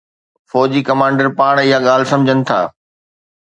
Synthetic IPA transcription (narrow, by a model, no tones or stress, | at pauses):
fɔːd͡ʑiːkɐmãːɳɖəɾpaːɽ̃ɪɦaɠaːl̤ɪsɐ̃md͡ʑʱənɪ̆t̪ʰa̰ː